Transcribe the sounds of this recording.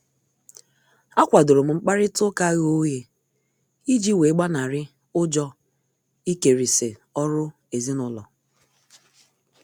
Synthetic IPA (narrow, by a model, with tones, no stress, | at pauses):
a˦kʷa˨dʊ˨ɾʊ˨m̩˨ŋ͡m̩˦k͡pa˦ɾɪ˦tʊ˦ka˦ɣo˦je˨ | i˦d͡ʒi˦we˨˦ɡ͡ba˦na˨ɾɪ˦ | ʊ˦d͡ʒɔ˦ | i˦ke˨ɾi˨se˨ɔ˦ɾʊ˦ | e˨zi˦nʊ˦lɔ̰˨